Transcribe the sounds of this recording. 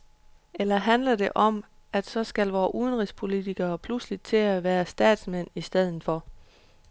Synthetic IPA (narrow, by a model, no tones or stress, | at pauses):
elɐɦænlɐde̝ʔɒ̽m | æd̥sɒ̽sɡ̥ælʋɒːʔuð̞ˠnʁispʰo̝lit͡sʰiɡ̥ɐːpʰluslid̥̚t͡sʰe̝æʋæːɐsd̥ɛ̰ːd̥smen̰isd̥eð̞̰ˠn̩fɒ̽